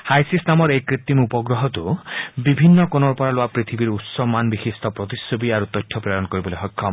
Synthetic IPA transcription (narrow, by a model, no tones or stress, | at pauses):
hajsisnamɔɾekɾit̪ːimupɔɡɾɔɦɔt̪ubibʱinːɔkonɔɾpɔɾaloapɾit̪ʰibiɾut̪sɔmanbixist̪ʰɔpɾɔt̪isːobiaɾut̪ɔjtʰːɔpɾajɔnɔkɔɾibɔleɦɔjkʰːɔ